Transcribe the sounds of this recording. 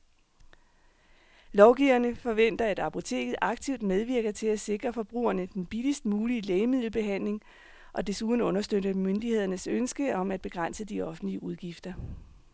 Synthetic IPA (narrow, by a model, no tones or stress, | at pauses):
lɒʊɡ̥iʊɐnəfɒ̽ʋen̰d̥ɐæd̥ɑ̈pʰo̝t͡sʰe̝̰ːɡ̥ð̩ˠʔɑ̈ɡ̥t͡sʰiʊ̰d̥með̞ˠʋiɐɡ̥ɐt͡sʰe̝læse̝ɡ̥ʁɐfɒ̽b̥ʁṵːɐnəd̥enb̥ilisd̥əmuːlileɪmið̞̰ˠl̩b̥e̝ɦæn̰le̝ŋ | ʔɒ̽d̥e̝suðˠn̩ɔ̽nɐsd̥øɾəmønd̥ihe̝ð̞̰ˠɐnəsønsɡ̥əɒ̽mæd̥̚b̥e̝ɡ̥ʁɑn̰səd̥iɒ̽fn̩dliəʔuð̞ˠɡ̥ifd̥ɐ